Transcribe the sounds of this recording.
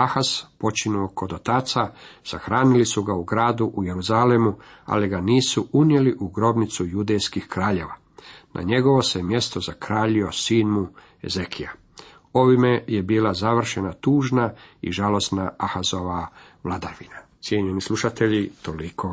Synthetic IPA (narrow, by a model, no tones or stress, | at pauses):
axaspo̞t͡ʃinuoko̞d̪o̞t̪aːt̪sasaxɾaːnilisuɡauɡɾaːd̪uʔuje̞ɾuzalemu | a̰liɡaniːsuʔunje̞liʔuɡɾo̞bnit̪sujud̪ejskixkɾaːʎe̞ʋa | nʔa̰ɲe̞ɡo̞ʋo̞semje̞st̪ozakɾaːʎio̞siːnmu | e̞̰zekʰia | o̞ʋimeje̞biːlˠazaʋr̩ʃenat̪uːʒnaḭʒalˠo̞snaaxazo̞ʋa | mlˠad̪aːɾʋinat̪sjeɲenislˠuʃat̪e̞ʎit̪olikʰo